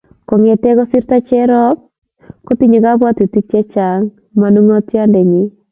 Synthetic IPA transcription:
ko˨ŋɛ˨tɛ˦kɔ˦si˦ɾta˦t͡ʃɛ˦ɾɔ˦k̚ | ko˦ti˦ɲi˨ka˦bwa˦ti˨ti˦t͡ʃɛ˦t͡ʃa˨ŋ | ma˨nu˦ŋɔ˦tja˦ndɛ˨ɲi˦

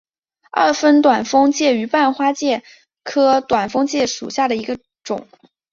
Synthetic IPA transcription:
a̰˥˩fə˥nt̪wa˨˩nfɤ˥ŋt͡ɕjɛ˥˩y˧˥pa˥˩nxwa˥t͡ɕjɛ˥˩ | kʰɤ˥t̪wa˨˩nfɤ˥ŋt͡ɕjɛ˥˩ʂṵ˨˩ɕja˥˩d̪ə˩i˧˥ɡə˧ | ʈ͡ʂʊ̰˨˩˦ŋ

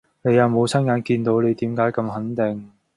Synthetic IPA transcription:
ne˨˧jɐ˨˧wmo˨˧wt͡sʰɐ˥njaː˨˧nkiː˧nt̪o˨˥wnle˨˧jt̪iː˨˥mkaː˨˥jkɐ˧mɦɐ˨˥nt̪ɪ˨˩ŋ

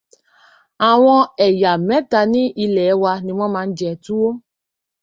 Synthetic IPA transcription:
a˨w̃ɔ̃˧ɛ˨ja˨mɛ̃˨˦ta˧nĩ˦ʔi˧lɛ˨˦wa˧nĩ˧w̃ɔ̃˦mãː˧n̩˦d͡ʒɛ˧tu˦wo˦

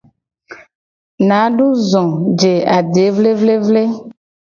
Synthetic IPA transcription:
nã˨˦ɖu˦zɔ̃˨d͡ʒe˨a˨ɖe˨˦vle˦vle˦vle˦

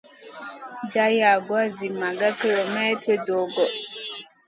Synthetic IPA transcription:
d͡ʒa˦ja˨ɡwa˦zi˨ma˨ɡa˦ki˦˨lo˨mɛ˦tɾe˦do˨ɡɔ˨

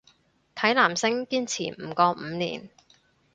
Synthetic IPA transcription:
t̪ʰɐ˨˥jlaː˨˩msɪ˥ŋkiː˥nt͡sʰiː˨˩m̩ː˨˩kɔː˧m̩˨˧nḭː˨˩n

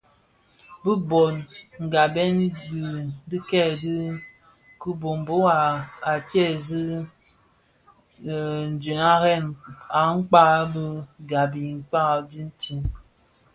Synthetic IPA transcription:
bə˦bɔ˨nŋ̩˨ɡa˨bɛ˦n˦ɡdɨ˦kɛ˦˨dɨ˦ | ku˦bo˨m˨bo˦wa˨a˨t͡ʃɛ˦˨zi˦˨ | n̩˨d͡ʒi˨na˦ɣɛ˦˨na˨ŋ̩˦k͡pa˦bɨ˦ɡa˨bi˨ŋ̩˨k͡pa˦˨di˦n̩˦ti˦n

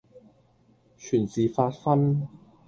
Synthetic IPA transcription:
t͡ʃʰyː˨˩nt͡siː˨faː˧t̚fɐ˥n

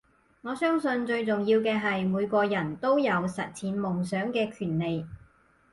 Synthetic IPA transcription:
ŋɔː˨˧sœː˥ŋsɵ˧nt͡ʃɵ˧ɥt͡sʊ˨ŋjiː˧wkɛː˧ɦɐ˨jmuː˨˧jkʷɔː˧jɐ˨˩nt̪o˥wjɐ˨˧wsɐ˨t̚t͡sʰiː˨˥nmʊ˨˩ŋsœː˨˥ŋkɛː˧kʰyː˨˩nle˨j

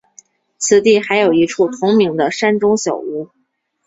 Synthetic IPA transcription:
t͡sʰɹ̩˨˩t̪i˥˩xa˧˥ɪjo˨˩ʊi˧˥ʈ͡ʂʰu˥˩t̪ʰʊ˧˥ŋmi˧˥ŋd̪ə˧ʂa˥nʈ͡ʂʊ˥ŋɕjɑ˨˩ʊu˧˥

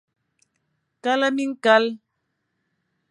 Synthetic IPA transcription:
ka˦la˦mi˦ŋ̩˦ka˦l

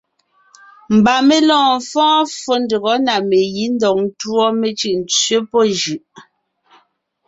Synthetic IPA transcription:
m̩˨ba˨me˦lɔ̃ː˨fɔ̃ː˦fo˦n˦də˨ɣɔ˨˦na˨me˨ji˦n̩˦dɔ˨k̚n˦twɔ˦me˨t͡ʃi˦˨ʔn̩˨t͡sɥe˦pɔ˦d͡ʒʉ˨ʔ

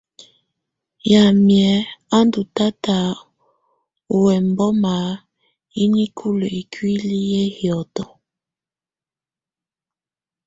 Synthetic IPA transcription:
ja˨mjɛ˨˦a˦ndu˨ta˦ta˨ | u˨wɛ˨m˦bɔ˦ma˨ | i˦ni˦kʰu˦lo˨i˨kʰwi˦li˦jɛ˦hjɔ˨tɔ˨

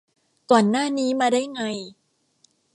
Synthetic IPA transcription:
kɔː˨˩nːaː˥˩niː˦˥maː˧daː˥˩jŋa˧j

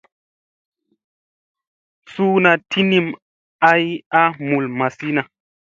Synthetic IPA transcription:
suː˦na˨tʰi˦ni˦˨m | a˦ja˦mu˨lma˨si˦na˨

